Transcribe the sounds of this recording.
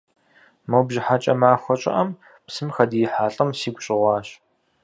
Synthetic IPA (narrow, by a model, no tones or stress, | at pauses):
mɐwbʒɪħat͡ʃʼɐ̰maːxʷɔt͡ʃʼɪ̰ʔɐm | psɨmxɐdijɪħaːɬʼɐmsiːɡʷɕʼɪʁʷɑːɕ